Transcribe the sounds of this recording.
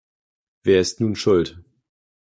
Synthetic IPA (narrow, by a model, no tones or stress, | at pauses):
v̥eːɐɪstnuːnʃʊlt